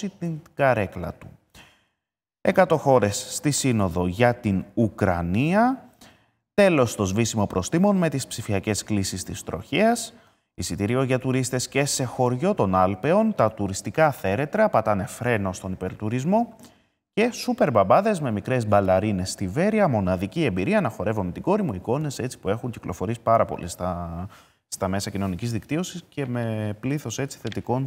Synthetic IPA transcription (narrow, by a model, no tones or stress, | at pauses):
it̪iŋɡɐɾe̞klɐ̰t̪u̥ | e̞kɐt̪o̞xo̞ɾe̞sːt̪isino̞ðo̞ʝɐt̪inukɾɐ̰niɐ | t̪e̞lo̞st̪o̞zvisimo̞pɾo̞st̪imo̞nme̞t̪ispsifiɐce̞sklisist̪ist̪ɾo̞̰çiɐs | isit̪iɾio̞ʝɐt̪uɾist̪e̞sce̞se̞xo̞ɾʝo̞t̪o̞nɐlpe̞o̞nt̪ɐt̪uɾist̪ikɐθe̞ɾe̞t̪ɾɐːpɐt̪ɐne̞fɾe̞no̞st̪o̞nipe̞ɾt̪uɾizmo̞ | ce̞supe̞ɾbɐbɐðe̞zme̞mikɾe̞zbɐlɐɾine̞st̪ive̞ɾiɐmo̞nɐðicie̞mbiɾiɐnɐxo̞ɾe̞vomet̪iɡo̞ɾimuiko̞ne̞se̞t͡si̥pue̞xuɲciklʔo̞fo̞ɾiespɐɾɐpo̞̰list̪ɐ | st̪ɐme̞sɐcino̞nicizðikt̪io̞sisce̞me̞pliθose̞t͡si̥θe̞t̪iko̞n